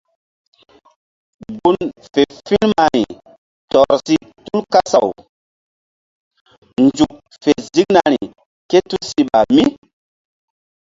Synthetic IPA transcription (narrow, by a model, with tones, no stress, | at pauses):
bu˦nfe˨fĩ˦nma˨ɾḭ˨ | tɔ˨ɾsi˦tu˦lka˦sa˨w | nd͡ʒu˨k̚ | fe˨zi˦kna˨ɾi˨ | ke˦tu˦lsi˨ɓa˨mi˦